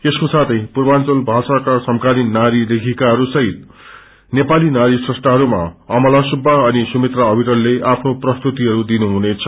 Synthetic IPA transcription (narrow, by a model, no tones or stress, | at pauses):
eskosat̪ʰʌjpurbant͡sʌlbʱasakasʌmkaninnaɾilekʰikaɦʌɾusʌɦit̪̚ | nepalinaɾisresʈaɦʌɾuma̰ʌmʌlasubʱːaʌnisumet̪raʌbʱiʈʌlːeʔapʰnoprʌst̪ut̪iɦʌɾud̪inuɦunet͡sʰʌ